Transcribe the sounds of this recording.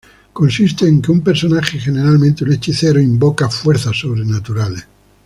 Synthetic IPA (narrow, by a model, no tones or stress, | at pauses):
konsist̪eːŋkeumpeɾsonaxexeneɾalmẽnt̪eunet͡ʃiθeɾoimbokafweɾθaso̞βɾenat̪uɾale